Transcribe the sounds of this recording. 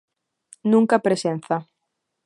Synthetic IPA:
nũŋkapɾesenθa

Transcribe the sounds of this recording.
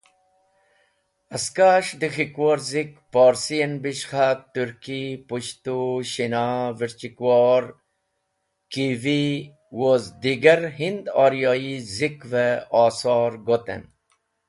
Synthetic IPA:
ɐskaːʂd̪ixikwoːɾzikpoːɾsiɐnbiʃxat̪uɾkipuɕt̪uɕinaːʋiɾt͡ɕikwoːɾ | kivi | woːzd̪iɡɐɾɦind̪aːɾijoːizikʋeaːsɑːɾɡot̪ḛn

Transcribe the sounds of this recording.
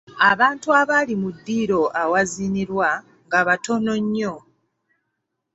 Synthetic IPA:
aβaːntuaβalimudːiːɾo̞ʔawaziniɾwa | ŋɡaβato̞no̞ɲːo̞

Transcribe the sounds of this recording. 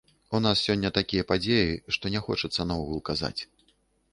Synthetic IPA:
unassʲɔnʲːɐt̪akʲijɐpad͡zʲejiʂt̪ɔnʲɛxɔt͡ʂɐt̪sːɐnaɔɣulˠkaza̰t͡sʲ

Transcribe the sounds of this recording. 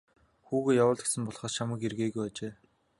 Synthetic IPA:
xuːɣeːjawəːɮɡe̥sɘ̆mpɔɮχɔːst͡ɕʰamə̆kerɣeːɣujæːt͡ɕeː

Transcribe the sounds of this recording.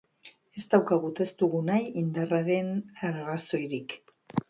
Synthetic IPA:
e̞zt̪awkaɣ̞ut̪e̞st̪uɣunajind̪araɾe̞naɾraso̞jɾik

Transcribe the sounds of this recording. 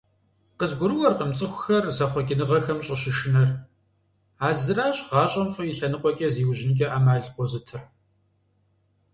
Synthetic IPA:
qəzɡʷʊɾɨwɔrqəmt͡sʼɨxʷʊxɐrzɐχʷɔkʲʼɪnɨʁɐxɐmɕʼɪɕɪʃɪnɐr | aːzɨraːɕʁɑːɕʼɐmfʼɨjiɬɐnɨqʷʼɔkʲʼɐziːwʑɪnkʲʼɐʔaːmaːɮqʷɔzɨtʰɨr

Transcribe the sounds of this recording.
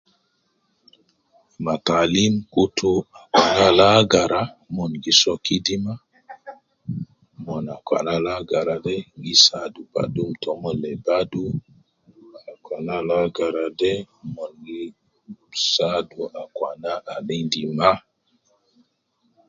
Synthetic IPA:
matalimkutuakwanalaɡaɾamɔnɡisɔkidima | mɔnakwa̰nalaɡaɾadɛɡisaduba̰dumtɔmɔlɛbadu | akʷwanalaɡaɾade | mɔnɡi | saduʔakwanaʔalindima

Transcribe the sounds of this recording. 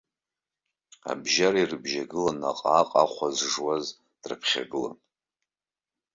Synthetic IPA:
a̰bʒaɾairɨbʒaɡɨlana̰qʼaːqʼaχʷazʐwaz | d̥rɨpʰχʲa̰ɡɨla̰n

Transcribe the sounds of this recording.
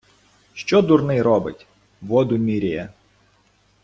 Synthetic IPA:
ʃt͡ʃɔd̪ʊrnɪjɾɔbɪ̰tʲ | ʋɔd̪ʊmʲiɾʲijɛ̰

